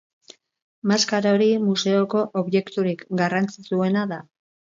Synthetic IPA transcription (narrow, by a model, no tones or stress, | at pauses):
maskaɾaoɾimuse̞o̞ko̞ʔoβje̞kt̪uɾikɡarant͡sit͡sue̞naða